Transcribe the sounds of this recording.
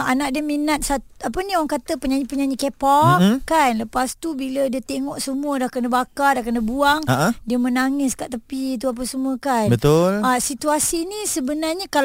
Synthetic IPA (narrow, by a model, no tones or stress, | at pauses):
anaʔ̚diəminat̪̚sat̪apənĩoaŋkat̪əpəɲaɲipəɲaɲikepakanləpast̪ubilədiət̪eŋɔʔsəmuədahkənəbakadahkənəbuaŋaʔdiəmənaŋɪskaʔt̪əpit̪̬uap̬əsəmuəkanbət̪olasit̪uasinisəbənarɲakal